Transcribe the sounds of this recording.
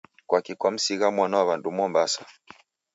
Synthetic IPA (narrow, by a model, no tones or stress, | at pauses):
kwakikwam̩siɣamwanaaβandumɔmbasḁ